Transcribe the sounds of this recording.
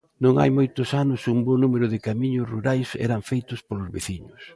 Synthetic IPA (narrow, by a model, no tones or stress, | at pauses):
nõŋa̰jmojt̪ʊsanʊsumbonumeɾʊðɪkamiɲʊsruɾajsɛ̰ɾaɱfejt̪ʊspolʊzβeθiɲʊs